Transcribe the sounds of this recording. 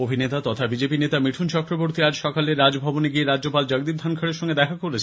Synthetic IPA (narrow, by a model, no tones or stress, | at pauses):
obʱinet̪at̪ɔt̪ʰabid͡ʑepinet̪amiʈʰunt͡ɕɔkɾoboɾt̪iad͡ʑʃɔkaleɾːad͡ʑbʱɔboneɡieɾad͡ʑd͡ʑopald͡ʑaɡ̚d̪ib̚d̪ʱankʰaɽeɾʃɔŋɡed̪ɛkʰakoɾlet͡ɕʰ